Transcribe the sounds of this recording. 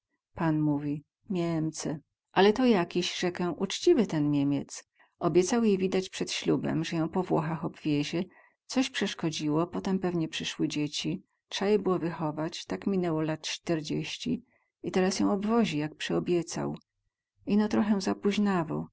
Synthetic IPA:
panmuvʲi | mʲɛmt̪sɛ | ʔalɛt̪ɔjakʲiɕʐɛkɛwʔut͡ʂt͡ɕivɘt̪ɛnmʲemʲjɛt̪s | ɔbʲjɛt̪sawjejvʲid̪at͡ɕpʂɛt̪ɕlubɛ̰mʐɛjɔ̃w̃pɔvwɔxaxɔbvʲjeʑɛ | t̪sɔɕpʂɛʂkɔd͡ʑiwɔpɔt̪ɛmpɛvɲɛpʂɘʂwɘd͡ʑet͡ɕi | tʂajɛbɘwɔvɘxɔvat͡ɕt̪akmʲinɛwɔlat̪t͡ʂt̪ɛɾd͡ʑeɕt͡ɕḭ | it̪ɛɾasjɔ̃w̃ɔbvɔʑijak̚pʂɛɔbʲjɛt̪sa̰w | inɔt̪ɾɔxɛw̃zapuʑnavɔ̰w

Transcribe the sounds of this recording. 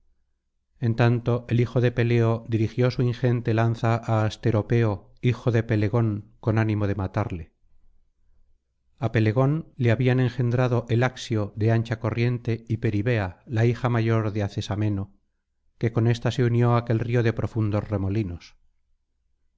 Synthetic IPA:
e̞nt̪ant̪o̞ʔe̞lixo̞ðe̞pe̞le̞o̞ðiɾixjo̞suiŋxe̞nt̪e̞lanθaʔaːst̪e̞ɾo̞pe̞o̞ | ixo̞ðe̞pe̞le̞ɣo̞ŋko̞nanĩmo̞ð̞e̞mat̪aɾle̞ | ape̞le̞ɣ̞o̞nleaβianẽ̞ŋxe̞nd̪ɾaðo̞ʔe̞laksjo̞ðe̞ant͡ʃako̞rje̞nt̪e̞ipe̞ɾiβe̞alaixamaʝo̞ɾðeaθe̞samẽ̞no̞ | ke̞ko̞ne̞st̪ase̞unjo̞ake̞lrio̞ðe̞pɾo̞fund̪o̞zre̞mo̞lino̞s

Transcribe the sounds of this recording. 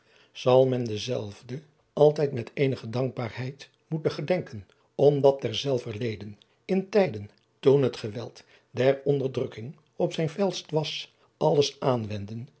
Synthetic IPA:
z̥ɑlˠmɛndəzɛlˠvdə | ʔɑlˠtɛjtmɛtejnəχədɑŋɡ̚baːɹɦɛjt | mutəχədɛŋkən | ɔmdɑt̚dɛɹzɛlˠvəɹlejdən | ɪntɛjdən | tunɦətχəʋɛ̰lˠt | dɛɹɔndəɹdrɵkɪŋ | ɔpsɛjnfɛlˠstʋɑs | ɑlˠəsʔaːnʋɛndən

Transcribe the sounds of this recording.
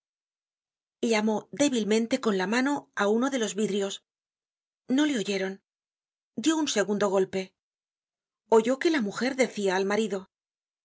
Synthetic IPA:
ʎamo̞ðe̞βilmẽ̞nt̪e̞ko̞nlamano̞auno̞ðe̞lo̞zβiðɾjo̞s | no̞le̞o̞ʝe̞ɾo̞n | d̪jo̞unse̞ɣund̪o̞ɣo̞lpe̞ | o̞ʝo̞ke̞lamuxe̞ɾðe̞θiaːlmaɾiðo̞

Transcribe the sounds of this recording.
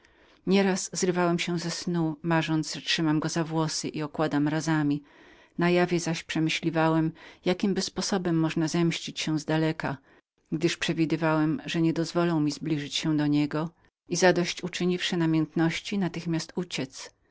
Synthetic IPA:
ɲɛɾaszɾvawɛmɕɛ̃zɛsnumaʐɔnt̪zʐtʂɘmamɡɔzavwɔsɘʔiɔkwad̪amɾazamʲi | najavʲjɛzaɕpʂɛmɘɕlʲivawɛmjakʲimbɘspɔsɔbɛmːɔʐnazɛmɕt͡ɕit͡ɕɕɛ̃zd̪alɛka | ɡd̪ɘʂpʂɛvʲid̪ɘvawɛmʐɛɲɛd̪ɔzvɔlɔ̃w̃mʲizblʲiʐɘt͡ɕɕɛ̃w̃d̪ɔɲɛɡɔ | izad̪ɔɕt͡ɕut͡ʂɘɲifʂɛnamʲjɛnt̪nɔɕt͡ɕinat̪ɘxmʲjast̪ut͡ɕɛt̪s

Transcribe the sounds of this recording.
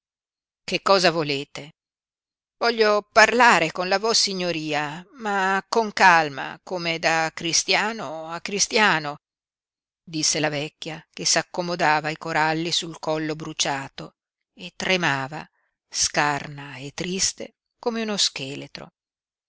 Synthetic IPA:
kekːɔːzavoleːt̪e | vɔʎːoparlaːɾekonlavɔsːiɲːoɾiːamakoŋkalma̰komed̪akɾist̪jaːnoakːɾist̪jaːno | d̪isːelavɛkʲːjakesakːomod̪aːvaikoɾalːisulkɔlːobɾut͡ʃaːt̪o | et̪ːɾemaːva̰ | skarnaet̪ːɾist̪e | komeunoskeːlet̪ɾo̰

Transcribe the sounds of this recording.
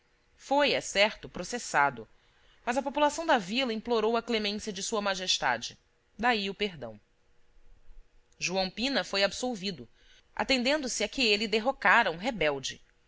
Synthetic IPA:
fojɛsɛɾt̪ʊpɾosesad̪ʊ | mɐzɐpopulasɐ̃w̃d̪ɐvilɐĩploɾowɐklemẽsjɐd͡ʒɪsuɐmaʒeʃt̪a̰d͡ʒɪ | d̪aiʊpeɦd̪ɐ̰̃w̃ | ʒuɐ̃w̃pĩnɐfojabsowvid̪ʊ | ʔa̰t̪ẽnd̪ẽnd̪ʊsɪakɪelɪd̪eɦokaɾɐũɦebɛwd͡ʒɪ

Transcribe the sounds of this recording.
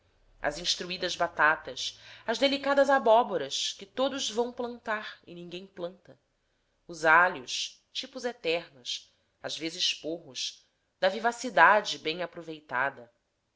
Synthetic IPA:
ɐ̰zĩʃt̪ɾuid̪ɐzbat̪at̪ɐsɐzd̪elikad̪ɐzabɔboɾɐskɪt̪od̪ʊzvɐ̃w̃plɐ̃nt̪aɾɪ̰nĩŋɡẽj̃plɐ̃nt̪ɐ | ʊzaljʊʃ | t͡ʃipʊzet̪ɛɾnʊs | azvezɪʃpoɦʊʃ | d̪ɐvivasid̪ad͡ʒɪbẽj̃apɾuvejt̪a̰d̪ɐ

